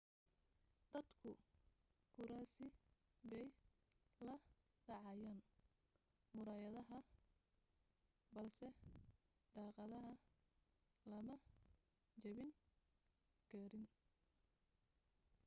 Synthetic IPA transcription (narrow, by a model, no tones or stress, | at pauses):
d̪̥ɐd̪kʰʊ | kʰʊɾaːsɪ | bɛj | lɐ | ɖɑʕɑjaːn | mʊɾaːjɐðɐɦɐ | bɐlsɛ | ɖɑːqɑðɐɦɐ | lɐmɐ | t͡ʃɐβɪŋ | kʰɐɾɪn